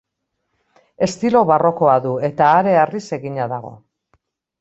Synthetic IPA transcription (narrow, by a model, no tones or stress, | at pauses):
e̞st̪ilo̞βaro̞ko̞aðue̞t̪aːɾe̞arise̞ɣiɲaðaɣo̞̰